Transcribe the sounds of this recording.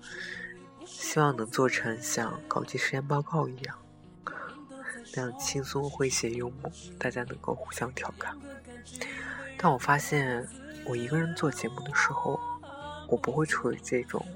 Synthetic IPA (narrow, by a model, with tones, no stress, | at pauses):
ɕi˥wɑ˥˩ŋnɤ˧˥ŋt͡swɔ˥˩ʈ͡ʂʰɤ˧˥ŋɕjɑ̰˥˩ŋkɑ˨˩ʊt͡ɕi˥˩ʂɻ̩˧˥jɛ˥˧npɑ˥˧ʊkɑ˥˩ʊi˧˥jɑ˥˩ŋ | na˥˧˩t͡ɕʰi˥ŋsu˥xwe˥˩ɪɕjɛ˧˥jʊ˥ŋmu˥˩t̪a˥˩t͡ɕja˥nɤ̰˧˥ŋko˥˧ʊxu˥˩ɕjɑ˥ŋt̪ʰjɑ˨˩ʊkʰa˥˩n | t̪a˥˩nwɔ˨˩fa˥ɕjɛ˥˩n | wɔ˨˩i˧˥ɡə˧ɻə˧˥nt͡swɔ˥˩t͡ɕjɛ˧˥mu˥˩d̪ə˩ʂɻ̩˧˥xo˥˧ʊwɔ˨˩pu˧˥xwe˥˧ɪʈ͡ʂʰu˥˩ḭ˧˥ʈ͡ʂɤ˥˩ʈ͡ʂʊ̰˨˩˦ŋ